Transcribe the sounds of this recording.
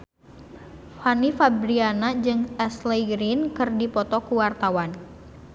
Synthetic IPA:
fanifabɾianad͡ʒɨŋɛsleɡɾinkɨrdipɔt̪ɔkuwart̪awan

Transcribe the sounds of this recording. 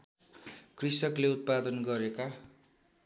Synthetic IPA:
krisʌkleut̪̚pad̪ʌnɡʌɾeka

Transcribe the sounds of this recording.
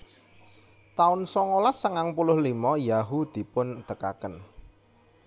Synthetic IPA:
t̪aʊnsɔŋolasəŋaŋpulʊhlimɔjaɦud̪̥i̤pʊnt̪əka̰kən

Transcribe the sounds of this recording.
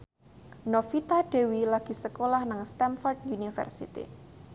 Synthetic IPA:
nofit̪aɖ̥e̤wilaɡ̥i̤səkolahnaŋst̪ɛnfɔrd̪̚unifə̰rsḭt̪ḭ

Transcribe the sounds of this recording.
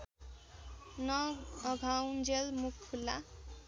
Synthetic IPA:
nʌʌɡʱawnd͡zelmukʰpʰulːa

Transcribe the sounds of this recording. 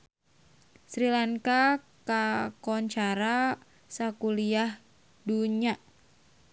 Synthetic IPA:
sɾilaŋka | kakɔɲt͡ʃaɾa | sakuliah | duɲa

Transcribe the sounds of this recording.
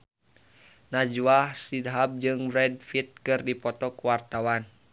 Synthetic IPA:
nad͡ʒwahsidɦab̚d͡ʒɨŋbɾɛd̚fit̪̚kɨrdipɔt̪ɔkuwart̪awan

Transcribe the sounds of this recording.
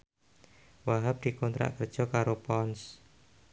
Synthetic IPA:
waɦap̚d̪̥i̤kɔnt̪ɾa̰ʔkərd̥ʒ̥ɔ̤kaɾopɔns

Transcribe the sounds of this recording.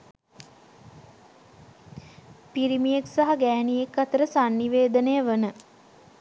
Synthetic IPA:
piɾimijeksaɦaɡæːnijekːat̪əɾəsanːiʋeːd̪ənəjəʋənə

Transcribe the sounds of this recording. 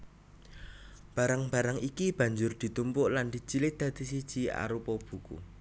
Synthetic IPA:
b̥ä̤ɾaŋb̥a̤ɾaŋikib̥ä̤ɲd͡ʒʊrd̪̥i̤t̪umpʊʔland̪̥i̤t͡ʃilɪt̪̚d̪̥ä̤d̪̥isid̥ʒ̥ia̰ɾupɔb̥ṳkṵ

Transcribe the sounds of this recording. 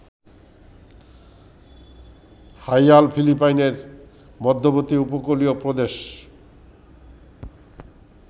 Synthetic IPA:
hajalpʰilipajneɾ | mɔd̪ʱːobot̪iupokoliopɾod̪eʃ

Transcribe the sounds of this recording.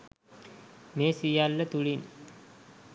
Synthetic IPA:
meːsijalːət̪uɭin

